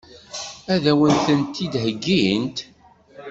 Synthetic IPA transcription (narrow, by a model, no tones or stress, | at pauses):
æðæwənt̪ənt̪ːid̪ɦəɡːint̪